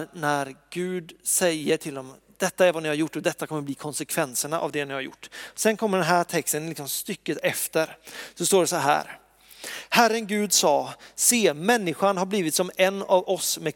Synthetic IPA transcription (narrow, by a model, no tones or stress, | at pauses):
næɾɡ̥ʉ̟ːd̪sɛjəʈʰɪld̪ɔm | d̪̥ɛt̪ːaæɾvanɪhaɾjʊʈːɔd̪ɛt̪ːakʰɔmːəɾbliːkʰɔnsɛkʰvɛnsəɳaʔa̰vd̪ɛnɪhaɾjʊ̰ʈːsɛnkʰɔmːəɖɛnɦæːʈʰɛkst̪ənlɪksɔmst̪ʏkːət̪ɛft̪əɾsɔst̪oːɖɛsɔɦæ̰ːɾ | hæɾənɡʉ̟ːd̪sɑːseːmɛnːɪɧanhaɾbliːvɪt̪sɔmɛnːavɔsmɛ